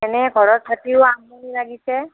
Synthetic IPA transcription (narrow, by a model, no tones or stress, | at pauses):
ɛnɛɡʱɔɹɔtʰatiʊaŋmulilaɡisɛ